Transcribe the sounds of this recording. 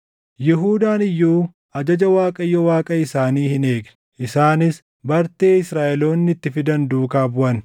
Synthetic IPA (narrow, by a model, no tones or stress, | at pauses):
jɪɦuːd̪aːnɪjːuː | ɐd͡ʒɐd͡ʒɐwaːkʼɐjːɔwaːkʼɐɪsaːniːhɪne̞ːɡnɛ̥ | ʔɪsaːnɪs | bɐɾt̪e̞ːɪsɾaːʔɛlo̞ːnːɪt̪ːɪfɪd̪ɐnd̪uːkaːbʊʔɐn